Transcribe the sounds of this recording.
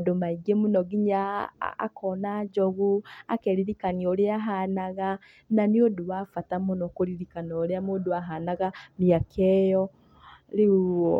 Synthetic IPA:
domaiɡemunɔɡiɲaa̰kʰɔnad͡ʒɔɣuakɛɾiɾikanioɾeaɦanaɣa | nanioduwafatamonɔkoɾiɾikanɔɾeamoduaɦanaɣamiakʰɛjɔ | leuɔ

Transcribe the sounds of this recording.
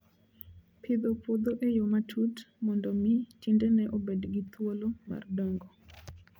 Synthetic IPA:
pʰɪd̪opwod̪oʔejomatʰutmɔndɔmɪtindɛnɛʔobedɡit̪ʰwoloma̰rdɔŋɡɔ

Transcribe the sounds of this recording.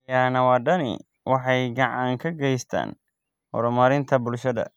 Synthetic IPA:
jaːnɐwɑːɖɐnɪ̰ | wʔɑħɑjɡɐʕɑŋkʰɐɡɛjst̪ʰa̰ːn | hɔ̰ɾʊmɐɾɪnt̪ʰɐbʊlʃɐðɐ̰

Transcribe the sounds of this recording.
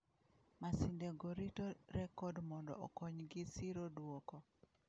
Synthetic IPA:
masindeɡoɾitoɾɛkɔdmɔndɔ̰ʔɔkɔɲɡɪsiɾodwokɔ

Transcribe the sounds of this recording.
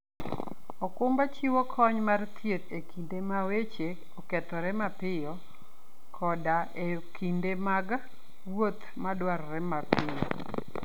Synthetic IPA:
ɔkʊmbat͡ʃiwɔkʰɔɲmart̪ʰjet̪ekindemawet͡ʃe | ɔkɛtɔɾɛmapɪjɔ | kʰɔdaʔe | kʰindemaɡa | wot̪ | madwaɾɾɛmapɪjɔ

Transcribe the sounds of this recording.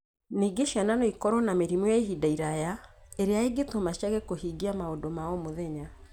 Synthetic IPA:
niɡeʃiananoikɔɾɔnameɾimɔjaeɦidaiɾajaeɾeaeɡetomaʃjaɣekohiɡiamaodomaɔmoðɛɲa

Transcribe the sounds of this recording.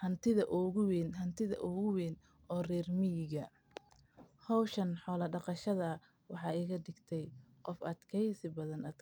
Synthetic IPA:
hɐnt̪ʰɪðɐʔɔɣʊwɛːnɦɐnt̪ʰɪðɐ̰ʔʊɣʊwɛːn | ɔːrɛːrmɪjɪɣɐ | hɔwʃɐnħɔːlɐɖɑqɑʃɐðɐ | wɑħɑːɪɣɐɖɪɡt̪ʰɛjqɔfɐd̪kʰɛjsɪbɐðɐnɐd̪

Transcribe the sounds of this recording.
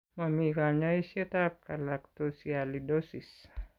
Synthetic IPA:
mamikaɲaisət̪ap̚kalakt̪osialidosis

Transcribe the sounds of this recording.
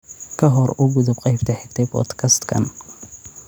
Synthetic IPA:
kʰɐɦɔrʊɡʊðʊb̚qɑjbt̪ʰɐħɛɡ̚t̪ʰɛjbʰɔ̰d̪kʰɐst̪kʰɐ̰n

